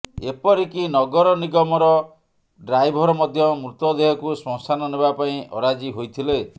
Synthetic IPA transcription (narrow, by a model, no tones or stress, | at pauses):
ḛpɔɾikinɔɡɔɾɔniɡɔmɔɾɔ | ɖɾajbʱɔɾɔmɔd̪ʱjɔmɾut̪ɔd̪eɦɔkusɔ̃ŋsanɔnebapaĩʔɔ̰ɾad͡ʒiɦojt̪ʰile